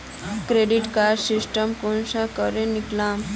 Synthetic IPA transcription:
kɾeɖiʈkaɾɖsisʈəmkonɕakəɾẽniklãm

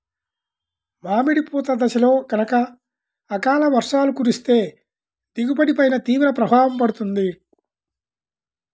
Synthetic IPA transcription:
maːmiɽipɔːt̪ɐd̪ɐʃɐlo̞ːɡɐnɐkɐː | kaːlɐʋɐɾʂaːlukuːɾist̪e̞ː | d̪̥iɡupɐɽipɐjnɐt̪iːʋɾɐpɾɐbʱaːʋɐmpɐɽut̪und̪i

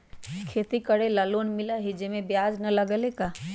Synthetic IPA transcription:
kʰeːt̪ikəɽelaloːnmɪlaɦid͡ʒemẽbjaːd͡ʒnɐləɡəleka

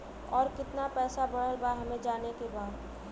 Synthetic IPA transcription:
ɔːɾkɪt̪napɛːsabəɽ̤əlbaɦɐmẽd͡ʒaːnekebaːd̪

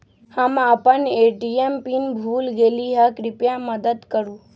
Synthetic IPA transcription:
hamapaneeʈiempinbʱulɡeliɦakɾɪpjaməd̪əd̪kəɾũ

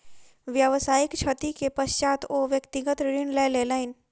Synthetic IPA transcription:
ʋjəʋsaːɪkt͡ʃʰɐt̪ikepəʃt͡ʃaːt̪oʋjɐkt̪ɪɡət̪ɾɪɳleːleləɪn

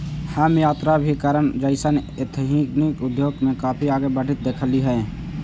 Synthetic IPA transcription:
haːmjaːt̪ɾabʱikaɾəɳd͡ʒəɪsən | et̪ʰɦĩɡnikʊd̪joːɡmẽkaːpʰiaːɡebəɽ̤ɪt̪̚d̪eːkʰəliɦɛe

